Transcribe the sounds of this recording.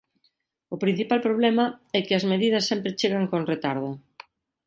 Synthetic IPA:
ʊpɾin̟θipalpɾoβlɛmɐɛkɪɐzmeðið̞ɐsːɛmpɾɪt͡ʃeɣaŋkoŋret̪aɾðʊ

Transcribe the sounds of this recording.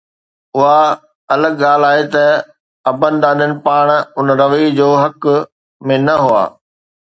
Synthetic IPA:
ʊɦa | ɐləɡɠaːl̤aːɦet̪ɐ | ɐbənɪ̆ɗ̪aːɗənɪ̆paːɽ̃ʊnɾɐʋid͡ʑoːɦɐk | mẽnɐɦʊa̰ː

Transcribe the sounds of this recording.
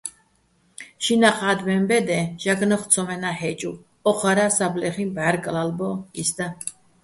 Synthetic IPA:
ʃinaχad̪mɛmbɛd̪ɛʒ̥aɡnɔχt͡sʰɔmɛnahɛt͡ʃʼu | ɔχʰaɾasablɛχimbaɾkʼlalbɔisd̪a

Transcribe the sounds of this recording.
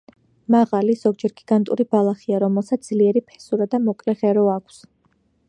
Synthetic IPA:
maʁaliz̥ɔɡd͡ʒɛɾɡ̥iɡ̥ant̪ʼuɾibalˠaχiaɾɔmɛlˠsat̪d̪zliɛɾipʰɛ̥suɾad̪amɔkʼlɛʁɛɾɔakʷʰs

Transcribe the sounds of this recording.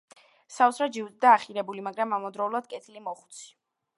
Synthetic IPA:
sausɾad͡ʒiwd̪d̪aːχiɾɛbulimaɡɾamamɔd̪ɾɔulˠad̪̥̚kʼɛt̪ʰilimɔχu̥t̪sʰi̥

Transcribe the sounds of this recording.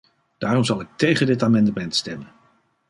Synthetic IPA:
d̥aːrɔmzɑlˠɪk̚tejχəndɪtaːmɛndəmɛntstɛmən

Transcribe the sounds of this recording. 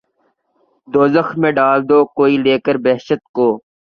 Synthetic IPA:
d̪oːzəxmẽːɖaːld̪oːkoːiːleːkəɾbɛːʃət̪̚koː

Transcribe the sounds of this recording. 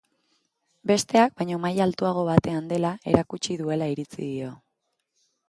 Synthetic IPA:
be̞st̪e̞ak̚bajɲo̞majalt̪uaɣ̞o̞βat̪e̞and̪e̞lae̞ɾakut͡ʃiðue̞laiɾit͡sḭðio̞

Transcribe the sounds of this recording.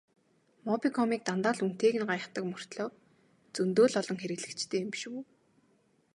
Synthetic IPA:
mɔpikʰɔmiːk̚t̪ant̪aːɮun̥t̪eːɣɘ̆nɢajə̆χt̪ə̆kmɵr̥t̪ɮɔː | t͡sɵnt̪oːɮɔɮɞ̆ŋxeɾɘ̆ɣɮɘ̆kt͡ɕt̪ʰeːmpʃuː

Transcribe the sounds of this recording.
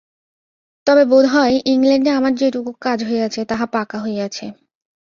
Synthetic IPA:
t̪ɔbebod̪ʱɦɔeʔiŋleɳɖeamaɾd͡ʑeʈukukkːad͡ʑɦoeɡat͡ɕʰet̪aɦapakaɦojat͡ɕʰe

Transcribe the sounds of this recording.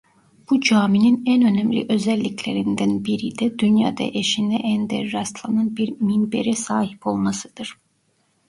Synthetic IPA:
b̥ud͡ʒaːmininænø̞næmlʲḭʔø̞zælʲːicʰlʲeɾind̪ænbiɾid̪ɛd̪ynja̰ːd̪ɑ̰ʔeʃind̪ɛ̰ʔænd̪ɛ̰ɾɾast̪lˠanɑnbiɾminbḛɾɛsaːhi̥pʰo̞lˠmasɯd̪̥ɯɾ̥

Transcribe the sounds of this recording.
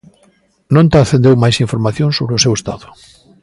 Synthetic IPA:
nõnt̪aθẽnd̪ewmajsiɱfoɾmaθjõnsoβɾeʊsewest̪a̰ðʊ̥

